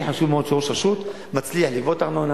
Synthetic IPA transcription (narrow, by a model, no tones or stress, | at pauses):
ħaʃuvmeod̪ʃooʃaʃut̪ | mat͡sliaħlivot̪aʁnon